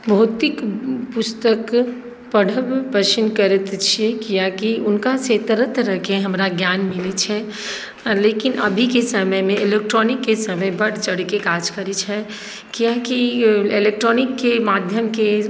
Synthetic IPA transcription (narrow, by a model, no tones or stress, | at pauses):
bʱoːt̪ɪkpʊst̪ək | pəɽ̤ʱəbpəʃɪnkəɾɪt̪t͡ʃʰekijakiʊnkaset̪əɾət̪ɾɐkeɦɐmɾaɡjaːnmɪlit͡ʃʰɛ | leːkɪnɐ̰bʱikesəməjmẽɪleːk̚ʈɾɔːnɪkːesəməjbɐɽ̤t͡ʃɐɽ̤kekaːd͡ʒkəɾit͡ʃʰɛ | kijãkiɪleːk̚ʈɾɔːnɪkːemaːd̪ʱjəmke